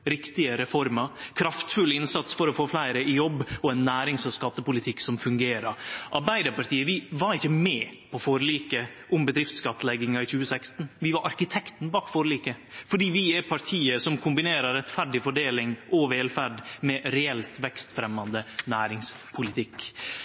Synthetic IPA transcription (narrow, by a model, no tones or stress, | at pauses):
ɾɪkt̪ɪəɾɛfɔɾməɾkʰɾɑft̪fʉlɪnsɑt̪sfɔɾɔfoːflæɪɾəɪjɔbːɔɛnːæːɾɪŋsɔskɑt̪ːəpʊlɪt̪ʰɪksɔmfʉŋɡeːɾəɾʔɑɾbæɪd̪əɾpɑɾt̪iːəʋɪʋɑɾɪçːəmɛpʰɔfoːɾəliːkə | ʔʊmbəd̪ɾɪft̪skɑt̪ːəlɛɡɪŋɑɪçʉːəsækst̪nʋɪʋɑɾʔɑɾkɪt̪ʰɛkt̪n̩bɑːkfoːɾəliːkəfɔɖiːʋɪɛɾpʰɑɾʈ̪ʰiːəsɔmkʰʊmbɪneːɾəɾɾɛt̪ːfæɖɪfɔɖeːlɪŋʔɔʋeːlfæɖmɛɾɛɛlt̪ʋɛkst̪fɾɛmːɑnd̪ənæːɾɪŋs | pʰʊlɪt̪ʰɪkː